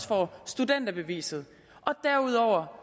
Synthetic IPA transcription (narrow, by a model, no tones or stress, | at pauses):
sfɒsd̥ud̥en̰d̥ɐb̥e̝ʋḭːsð̞̩ˠ | ʔɒ̽d̥æɐuð̰ˠɒʊ̰ɐ